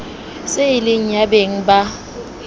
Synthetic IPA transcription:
seɪlɪŋ̩jabeŋ̩ba

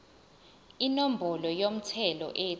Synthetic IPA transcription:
inom̩bʱɔlɔjom̩tʰɛlɔ̰ʔe

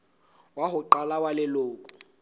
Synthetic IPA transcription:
waɦʊǃalawalɛloːkʼʊ̥

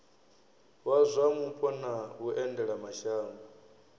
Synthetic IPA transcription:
wazʷamupʼɔnaɦuʔɛndɛɺamaʃaːmbɔ

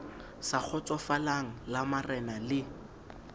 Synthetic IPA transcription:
sak͡xʰɔt͡sʼɔfalaŋ̩lamarɛnalɪ

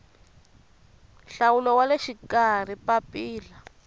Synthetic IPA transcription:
ɬawulɔwaleʃikar̤ipapiːla

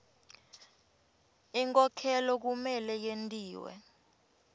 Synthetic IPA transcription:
iŋkʼɔkʰɛlɔk̬umɛlɛjentʼiːwɛ̰

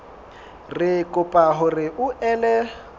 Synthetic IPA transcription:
rɪkʼʊpʼaɦʊrɪʔʊʔɛlɛ

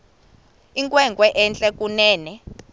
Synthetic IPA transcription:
iŋkʼwɛŋɡwɛʔɛnt͡ɬʼɛk̬ʼunɛːnɛ

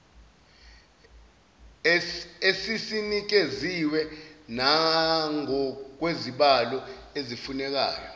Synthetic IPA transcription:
esisinik̬eziwɛnaŋɔk̬weziɓalɔezifunɛk̬a̰ːjɔ

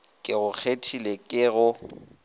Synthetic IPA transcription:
kʼɪɣʊk͡xʰetʰilekʼɪɣʊ

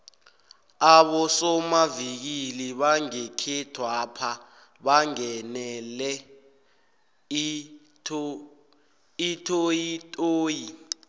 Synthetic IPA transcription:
aɓɔsɔmavik̬iliɓaŋekʰɛtʰwapʰa | ɓaŋɛnɛlɛ | itʰʼojitʼoːji

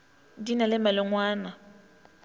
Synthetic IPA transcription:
dinalɪmalʊŋwaːna

